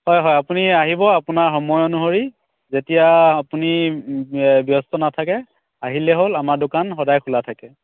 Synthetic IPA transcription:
hɔjɦɔjapuniaɦibɔapunaɹxɔmɔjɔnuɦoɹi | zetijaːpuni | bjɔstɔnatʰakɛ | aɦilɛɦolamaɹdokanxɔdajkʰulatʰakɛ

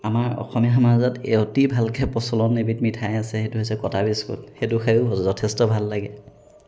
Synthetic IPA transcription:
amaɹɔ̰xɔmijaɦamazatḛotibʱalkɛpɔsɔlɔnebitmitʰajasɛxetuɦesɛkɔtabiskṵlxetʊxʰajuɦɔzɔzɔtʰɛstɔbʱalːaɡɛ

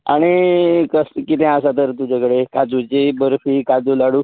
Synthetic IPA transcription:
a̰ɽ̃ikəskit̪ɛ̃asat̪̬əɾt̪ud͡ʑʱakəɽekad͡zut͡ɕibəɾfiːkad͡zulaɽuː

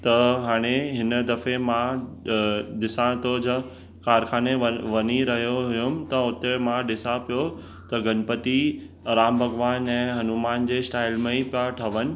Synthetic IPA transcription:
t̪ɐɦaːɽ̃eɦɪnəd̪ɐfemã | ɖɪsãt̪oːd͡ʑ | kaːɾkʰaːneʋɐniɾɐɦijoɦʊjʊmt̪ɐʊt̪emãɖɪsapijo | t̪ɐɡɐnpət̪i | ɾaːmbʱɐɡʋaːnɛ̃ːɦɐnumaːnd͡ʑeːsʈaːɪlmẽipjaʈʰɐʋənɪ̆

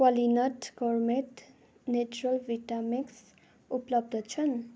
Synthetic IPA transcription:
walinʌʈɡɔrmeʈ | net͡ʃuɾəlʋiʈamiks | uplʌb̚d̪ʱʌt͡ʃʰʌn

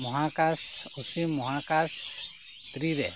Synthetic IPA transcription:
mɔɦakasusimɔɦakas | t̪ɾiɾɛ

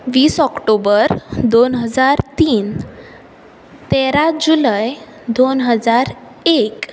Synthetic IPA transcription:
ʋiːsɔkʈobəɾd̪onɦəd͡zaɾt̪iːn | t̪eɾad͡ʑuləj | d̪onɦəd͡zaɾ | ek

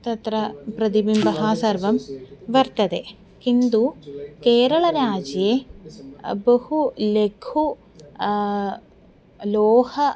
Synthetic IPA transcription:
t̪ɐt̪ɾɐpɾɐd̪ibimbɐɦaːsɐɾʋɐmʋɐɾt̪ɐd̪e | kind̪ukeːɾɐɭɐɾaːd͡ʒje | bɐhulekʰu | loːhɐ

